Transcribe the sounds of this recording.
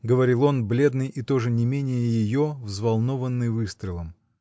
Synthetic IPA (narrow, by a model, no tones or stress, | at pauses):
ɡəvɐɾʲilˠo̞nblʲe̞d̪nɨjʔit̪o̞ʐɨnʲɪmʲenʲɪjəjɪjo̞vzvɐlˠno̞vənːɨjvɨst̪ɾʲɪlˠəm